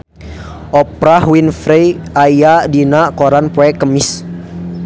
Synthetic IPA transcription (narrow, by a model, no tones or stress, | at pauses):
ʔɔpɾahwinfɾejajadinakoɾanpɛkəmis